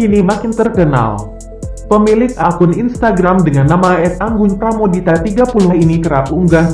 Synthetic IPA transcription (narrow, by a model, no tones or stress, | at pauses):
inimakint̪ərkəna̰l | pəmilɪk̚akʊninst̪aɡɾamdəŋanːamaɛt̪̚aŋɡʊɲpɾamodit̪at̪iɡapuluhinikəɾapuŋɡa